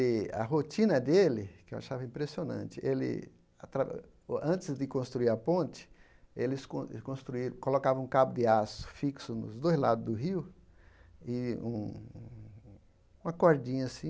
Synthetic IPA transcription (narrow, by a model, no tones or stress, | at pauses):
ɪɐ̰ɦot͡ʃĩnɐd̪elɪkɪewa̰ʃavɐĩmpɾesionɐ̰̃nt͡ʃɪʔelɪ̰ | at̪ɾa | ɐ̃t̪ɪzd̪ɪkõst̪ɾuiɾɐpõnt͡ʃɪ̥ | elɪskõkõst̪ɾuiɾɐ̃kolokavɐ̃ũkabʊd̪ɪasʊ̥fiksʊnʊ̰zd̪ojzla̰d̪ʊzd̪ʊɦiw | ɪũ | ũmɐkoɾd͡ʒĩɲɐsĩ